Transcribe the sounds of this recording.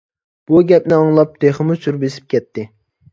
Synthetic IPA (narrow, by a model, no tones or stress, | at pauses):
b̥uɡʲɛpnɪɑŋlˠɑp̚d̪ʰeχəmusuɾbesɪ̥p̚kʲʰɛt̪ʰːɪ